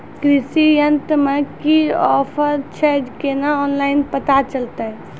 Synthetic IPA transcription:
kɾisijənt̪mekiɔpʰəɾt͡ʃʰɛd͡ʒkenaɔnlaɪnpət̪at͡ʃəlt̪əɦ

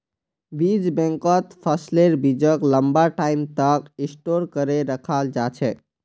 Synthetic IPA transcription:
bid͡ʒbẽŋkət̪pʰəsleɾbid͡ʒəkləmbaʈaimt̪əkĩsʈoɾkəɾeɾəkʰald͡ʒat͡ʃʰɛ

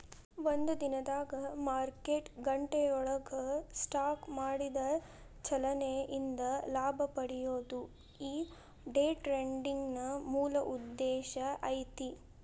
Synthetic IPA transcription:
ʋond̪ud̪inɐd̪aːɡɐmaːɾkeːʈɡɐɳʈejɔɭɐɡɐsʈaːkmaːɽid̪ɐ | t͡ʃɐlɐneʔind̪ɐlaːbʱɐpɐɽijoːd̪u | iː | ɖeːʈɾeɳɖiŋɡnɐmuːlɐʔud̪ːɛːʃɐʔɐjt̪i

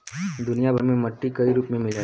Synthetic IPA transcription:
d̪ʊnijabʱɐɾmẽmɐʈːikɐiɾuːpmẽmɪla

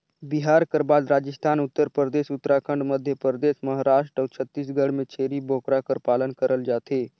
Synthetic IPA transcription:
biɦaːɾkəɾbaːd̪ɾaːd͡ʒəst̪ʰaːnʊt̪ːəɾpɾəɾəd̪eːsʊt̪ːɾakʰəɳɖməd̪ʱjəpəɾəd̪esməɦaɾaːʃʈə̃t͡ʃʰət̪ːisɡəɽmẽt͡ʃʰeːɾiboːkɾakəɾpaːlənkəɾəld͡ʒaːt̪eː

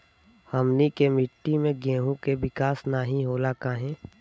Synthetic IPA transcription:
həmnikemɪʈːimẽɡẽːɦũkeʋɪkaːsnaːɦĩɦoːlakaːɦẽː

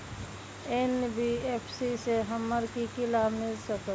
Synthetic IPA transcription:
enbieːpʰsiseɦəməɾkikɪlamɪlsəkə

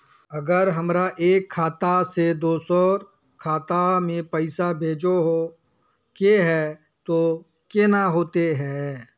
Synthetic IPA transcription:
ɐɡəɾɦɐmɾaʔeːkʰːaːt̪ased̪oːsɔːɾ | kʰaːt̪amẽpəɪsabʱeːd͡ʒoɦo | keɦɛː | t̪o | kenaɦoːt̪eɦɛː

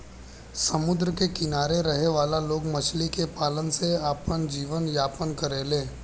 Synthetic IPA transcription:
sɐmʊd̪ɾəkekɪnaːɾeɾɐɦeʋaːlaloːɡmɐt͡ʃlikepaːlənseaːpənd͡ʒiːʋənjaːpənkəɾeːlẽː

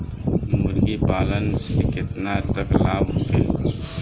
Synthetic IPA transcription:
mʊɾɡipaːlənɪsmekɪt̪nat̪əklaːbkḛː

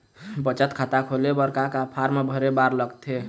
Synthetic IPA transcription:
bət͡ʃət̪kʰat̪akʰolebəɾkakapʰaɾmebʱəɾebaɾləɡt̪ʰe

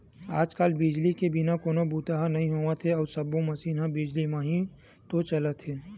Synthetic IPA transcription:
aːd͡ʒkaːlbɪd͡ʒlikebɪnakoːnobuːt̪aɦanɐɦĩɦoːʋat̪ʰeɔːɾsɐbomɐsiːnãbɪd͡ʒlimãɦĩ | t̪ot͡ʃɐlət̪ʰɦeː

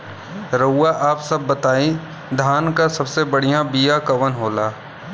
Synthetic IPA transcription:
ɾəːaʔaːpsɐbːɐt̪aːi | d̪ʱaːnkasɐbsebɐɽ̤ijãbijakɐʋənɦoːlaː

